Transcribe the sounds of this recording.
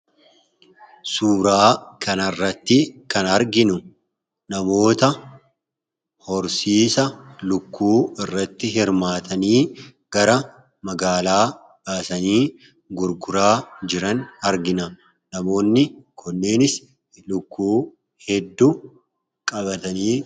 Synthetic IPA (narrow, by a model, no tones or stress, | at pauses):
suːɾaːkɐnɐrːɐt̪ːɪkɐnɐɾɡɪnʊ | nɐmo̞ːt̪ɐ | hɔɾsiːsɐlʊkːuːɪrːɐt̪ːɪɦɪɾmaːt̪ʰɐniː | ɡ̥ɐɾɐ | mɐɡaːlaː | baːsɐniː | ɡʊɾɡʊɾaːd͡ʒɪɾɐnɐɾɡɪnɐ | nɐmo̞ːnːɪkʰɔnːe̞ːnɪs | lʊkːuː | hɛd̪ːu | kʼɐbɐt̪ɐniː